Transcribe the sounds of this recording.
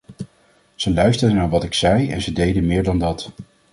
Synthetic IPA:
z̥əlœɥstəɹdənaːɹʋɑtɪksɛjɛ̰nzədejdənmɪːɹdɑndɑt

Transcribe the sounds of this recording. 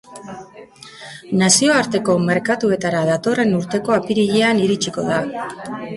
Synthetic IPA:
nasio̞aɾt̪e̞ko̞me̞ɾkat̪ue̞t̪aɾaðat̪o̞re̞nuɾt̪e̞ko̞apiɾiʎeaniɾit͡ʃiko̞ð̞a

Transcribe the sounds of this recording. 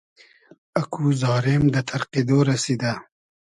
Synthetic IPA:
akʰuzɑːɾemd̪ət̪ʰaɾqed̪oɾasid̪a

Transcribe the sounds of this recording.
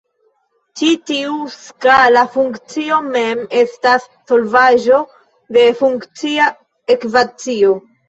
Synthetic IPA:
t͡ʃitiuskalafuŋkt͡sio̞me̞me̞stasːo̞lvaʒo̞ | de̞fuŋkt͡sia | ekvat͡sio̞

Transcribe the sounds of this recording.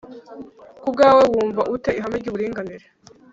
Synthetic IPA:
kub̚ɡaːwe̞wuːɱvaʔute̞iɦameɾɟiβuɾiːŋɡaniɾe

